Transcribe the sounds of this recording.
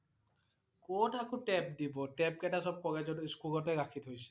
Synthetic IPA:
kotakʰõtɛp̚dibɔʈɛp̚kɛtasɔb̚kɔɡɛd͡ʒɔtskulɔtɛɾakʰit̪ɦojsɛ̥

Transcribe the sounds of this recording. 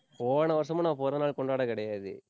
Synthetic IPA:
poːʋnɐʋɐs̬ɐmʊ̃nãːpoːɾɐnaːɭkɔɳɖaːɽɐkɪɽɐjaːðɯ̰

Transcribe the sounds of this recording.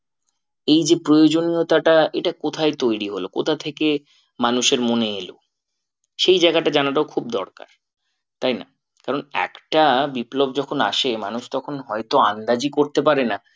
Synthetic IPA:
ejd͡ʑepɾojod͡ʑoniot̪aʈaʔeʈakot̪ʰajt̪ojɾiɦolo̰kot̪ʰat̪ʰeke | manuʃeɾmoneelo | ʃejd͡ʑaeɡaʈad͡ʑanaʈ̬aokʰub̚d̪ɔɾka̰ɾ | t̪ajna̰ | kaɾonɛ̰kʈabiplobd͡ʑɔkʰona̰ʃema̰nuʃt̪ɔkʰonɦɔet̪oand̪ad͡ʑikoɾt̪epaɾena

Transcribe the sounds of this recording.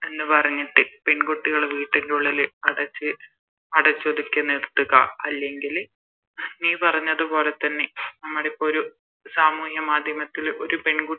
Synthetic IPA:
e̞nːɨpɐrɐɲːiʈːɨpe̞ɳɡuʈːiɣɐɭeʋiːʈːinduɭːilɐɽɐt͡ɕːɨ | ɐɽɐt͡ɕːoðikʲːɐnirt̪ːuɣɐɐlːe̞ŋɡil | niːpɐrɐɲːɐðupo̞ːle̞t̪ːɐnːe̞nɐmːuɽepːoɾu | saːmuːɦjɐmaːd̪ʱjɐmɐt̪ːilo̞ɾupe̞ɳɡu

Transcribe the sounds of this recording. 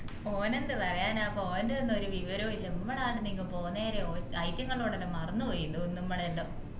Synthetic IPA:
oːnend̪ɨpɐrɐjaːnaːpoːenɖɨðenːo̞ɾuʋiʋɐɾɐʋilːɐmːɐɽaːʈːɨniŋːɐpo̞ːnːeːɾeoːɐjtːjɐŋːɐɭoːɽenːemɐrɐnːupoːjːunːunimːɐɽenɖo

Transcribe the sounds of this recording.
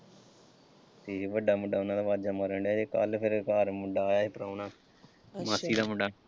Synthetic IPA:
t̪eːʋəɖaːmʊɖaːʊnãːd̪aːʋaːd̪d͡ʒamaːɾɛːɳɖjaːd͡ʒeːkəlpʰɪɾkaːɾmʊɖaːjaːeːpəɾaːnaː | maːsiːd̪aːməɖaː

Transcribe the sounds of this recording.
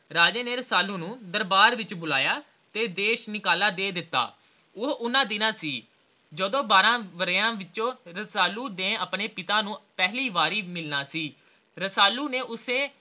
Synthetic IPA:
ɾaːd͡ʒeːneːɾəsaːluːnũːd̪əɾbaːɾʋɪt͡ʃbʊlaːjaː | t̪eːd̪eːʃnɪkaːlaːd̪eːd̪ɪt̪ːa̰ː | ʊɦʊnãːd̪ɪnãːsiː | d͡ʒəd̪õːbaːɾãːʋəɾãːʋɪt͡ʃõːɾəsaːluːd̪ẽːəpneːpɪt̪aːnũːpɛːɦliːʋaːɾiːmɪlnaːsiː | ɾəsaːluːneːʔʊsẽː

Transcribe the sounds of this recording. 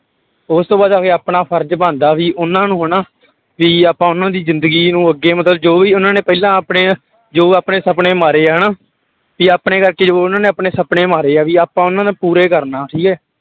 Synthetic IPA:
ʊst̪õːbaːd̪aːkeːaːpɳaːpʰəɾd͡ʒbãːnd̪aːʋiːʔʊnãːnũːɦəɳaː | ʋiːaːpãːʊnãːd̪iːzɪ̃nd̪əɡiːnũːəɡːeːmət̪ləbd͡ʒoːʋiːʊnãːneːpɛilãːəpɳeː | d͡ʒoːaːpneːsəpɳeːmaːɾeːaːɦənãː | ʋiːaːpɳeːkəɾkeːd͡ʒoːʊnãːneːəpɳeːsəpɳeːmaːɾeːaːʋiːaːpãːʊnãːd̪aːpuːɾeːkəɾnaːʈʰiːkɛː

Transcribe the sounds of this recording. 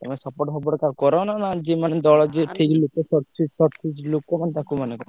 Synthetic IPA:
t̪ɔmesɔpɔɾʈsɔp̬ɔɾʈkakɔɾɔnanad͡ʒimaned̪ɔɭɔd͡ʒeʈʰiklokɔsɔt͡ʃisɔsid͡ʒlokɔmant̪akumanekɔɾ

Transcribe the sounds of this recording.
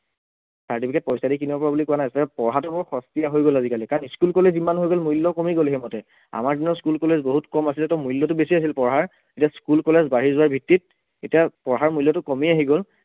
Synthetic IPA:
saɹtipʰikɛt̚pɔjsadik̬inibapɔɹabulikowanajɛtɛɛpɔɹɦatʊbɔɹxɔstiaɦojɡolazikalikaɹɔniskulkɔlezimanɦojɡolmujlːɔkɔmiɡolɦemɔtɛ | a̰maɹdinɔskulkɔlezboɦutkɔmasilɛtɔmujlːɔtʊbesias̬ilpɔɹɦaɹ | etiaskulkɔlezbaɹizʊwaɹbʱitːit̚ | etiapɔɹɦaɹmujlːɔtʊkɔmiaɦiɡol

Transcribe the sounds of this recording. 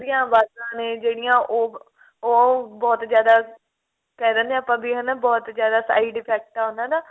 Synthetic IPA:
d̪ɪjãːbaːzãːnẽːd͡ʒeːɽɪjãːʔoː | oːbɔːt̪d͡ʒjaːd̪aː | kɛːd̪ə̃ːnd̪ẽaːpãːbiːɦənabɔːt̪d͡ʒjaːd̪aːsa̰ːiːɖɪpʰɛːk̚ʈaːɦʊnd̪ãːd̪aː

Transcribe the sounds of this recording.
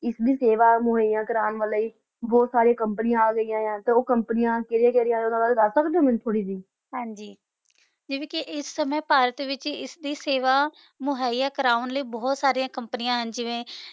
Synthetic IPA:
ɪsd̪iːseːʋaːmʊɦaːijãːkəɾaːnʋələiː | bɔːt̪saːɾijãːkəmpənɪjãːaːɡəijãːãːt̪eːoːkəmpənɪjãːkeɾjãːkɛːɾɪjãːʊnãːaːlːd̪asəkd̪ẽmɪnt̪ʰoːɽiːsiː | ɦãːɲd͡ʒiː | d͡ʒɪːʋẽːkɪʔɪsːəmɛ̃ːpaːɾət̪ʋɪt͡ʃɪ̰sd̪iːseːʋaː | mʊɦaːiːaːkəɾaːʊnləiːbɔːt̪saːɾijãːkəmpənɪjãːɦənd͡ʒɪʋẽː

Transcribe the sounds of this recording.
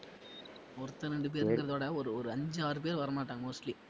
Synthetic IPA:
ɔɾɯt̪ːɐɾɛɳɖɯp̬eːɾɡɯɾɐðoːɽɐɔɾɯɔɾɯɐɲd͡ʒaːɾɯp̬eːɾʋɐɾɐmaːʈːaːŋɡɐmoːsʈli

